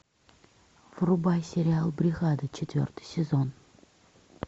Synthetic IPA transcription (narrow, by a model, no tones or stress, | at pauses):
vrubajsʲɪɾʲɪalˠbɾʲɪɣad̪ət͡ɕʰɪt̪vʲo̰rt̪ɨ̥jsʲɪzon